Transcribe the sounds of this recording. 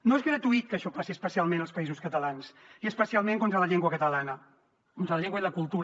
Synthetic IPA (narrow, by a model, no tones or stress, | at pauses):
noezɣɾət̪uit̪̚kəʃɔpasiəspəsialˠmenəlˠspəizuskət̪əlansiəspəsialˠmẽŋkont̪ɾələʎɛŋɡwəkət̪əlanə | kont̪ɾəlʎeŋɡwəiləkulˠt̪uɾ